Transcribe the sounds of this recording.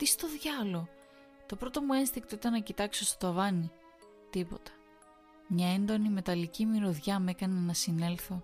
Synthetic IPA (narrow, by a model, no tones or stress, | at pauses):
t̪ist̪o̞ðʝɐlo̞ | t̪o̞pɾo̞t̪o̞mue̞nst̪ikt̪oit̪ɐnɐcit̪ɐksost̪t̪oɐvɐni | t̪ipo̞̰t̪ɐ̥ | mɲɐe̞nd̪o̞nime̞t̪ɐlicimiɾoðʝɐme̞kɐnenɐsine̞lθo̞